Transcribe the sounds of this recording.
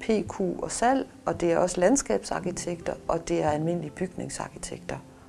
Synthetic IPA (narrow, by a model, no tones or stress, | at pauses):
pʰe̝̰ːkʰṵːɒ̽sæl̰ | ɒ̽d̥e̝æɐɒ̽səlænsɡ̥ɛ̰ːb̥sɑ̈kʰit͡sʰeɡ̥d̥ɐʔɒ̽d̥e̝æɐælme̝n̰lib̥yɡ̥ne̝ŋsɑ̈kʰit͡sʰeɡ̥̚d̥ɐ